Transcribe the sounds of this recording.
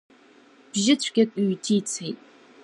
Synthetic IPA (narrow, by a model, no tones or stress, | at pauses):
b̥ʒɪt͡ɕʷʰɡʲakʷʼyːtʰiːt͡sʰejtʼ